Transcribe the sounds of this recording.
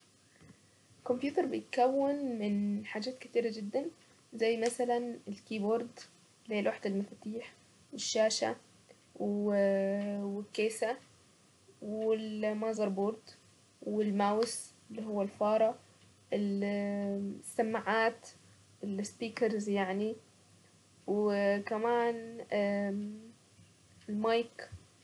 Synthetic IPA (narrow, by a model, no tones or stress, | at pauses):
ɪkʊmpjuːt̪ɑɾˤbɪjɪt̪kawːɪnmɪnħaːd͡ʒaːt̪kɪt̪iːɾad͡ʒɪd̪ːan | zajːmasalanɪlkiːboɾˤd̪ | leːlʔaħd̪ɪlmaft̪iːħ | wɪʃːaːʃa | w | wɪkːeːsa | wɪlmɑːzɑɾˤbuɾd̪ | wɪlmaːwɪs | ɪlːiɦʊwːalfɑːɾˤɑ | ɪl | sːamːaʕaːt̪ | ɪlspiːkɑɾzjaʕni | wkamaːn | ɪlmɑjk